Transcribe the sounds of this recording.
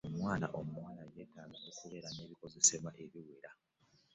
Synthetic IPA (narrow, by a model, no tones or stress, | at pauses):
omwaːna̰ʔo̞mumwaːnajeːtaːɡaʔo̞kuβe̞ːɾane̞ːβiko̞ze̞se̞βwaʔe̞βiweɾa